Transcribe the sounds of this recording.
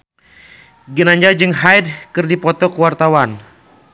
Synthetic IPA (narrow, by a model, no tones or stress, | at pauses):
ɡənaɲd͡ʒad͡ʒɨŋɦajd̚kɨrdipɔt̪ɔkuwart̪awan